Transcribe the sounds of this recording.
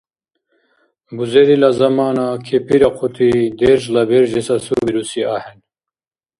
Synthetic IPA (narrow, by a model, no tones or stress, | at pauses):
buzeɾilazɐmaːnakʰepʰiɾaqʰut̪ʰid̪eɾʒlabeɾʒesasubiɾusiahɛn